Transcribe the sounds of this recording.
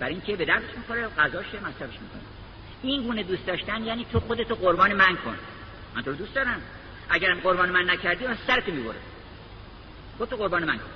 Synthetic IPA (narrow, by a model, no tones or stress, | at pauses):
bæɾiŋcʲʰebe̞d̪æɾd̪eʃmiːxo̞ɾeɣæzɒːʃemæsɾæbeʃmikʰo̰ne | iŋɡuːned̪uːst̪d̪ɒːʃt̪ænjæːniːt̪ʰoxod̪e̞t̪oɢoɾbɒːnemænkʰo̰n | mænt̪ʰoɾod̪uːst̪d̪ɒːɾæm | ʔæɟæɾɢo̞ɾbɒːnemænːæcʰæɾd̪iːmæsæɾet̪ʰomiːboɾe | xod̪et̪oɣo̞ɾbɒːnemæŋkʰon